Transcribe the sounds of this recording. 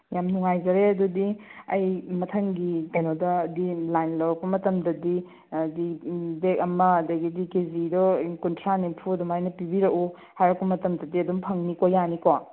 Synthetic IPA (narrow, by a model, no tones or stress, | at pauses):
jamnuŋajzɐɾeɐdudiɐjmɐtʰɐŋɡikɐjnodɐdilajnlɐwɾɐk̚pɐmɐtɐmdɐdi | dibek̚ɐmɐːdɐɡidikezidɔkuntʰɾanimpʰudɔmajnɐpibiɾɐku | hajɾɐk̚pɐmɐtɐmdɐdiɐdumpʰɐŋnikojaniko